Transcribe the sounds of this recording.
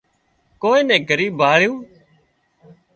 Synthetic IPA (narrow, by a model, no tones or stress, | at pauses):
koːĩːnɛ̃ːɡʱəɾiːbʱaːɭjõː